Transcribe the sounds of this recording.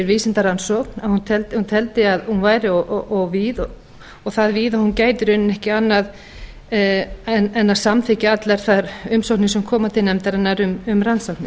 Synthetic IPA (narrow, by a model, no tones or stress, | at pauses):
ɪɾviːsɪnt̪aɾansɔknaðhunt̪ʰɛlt̪ɪhunt̪ʰɛlt̪ɪaðhunvaːjɾɪɔʔʔɔɣviːðɔ | ɔɣθaðviːðahuncaːjt̪ʏɾʏnːʏnɛhcɪanːað | ɛnɛnːaðsamθɪcɪat̪lɛɾ̥θaɾʏmsɔwknɪsɛmkʰɔːmat̪ʰɪlnɛmt̪aɾɛnːaɾʏmʏmɾansawknɪ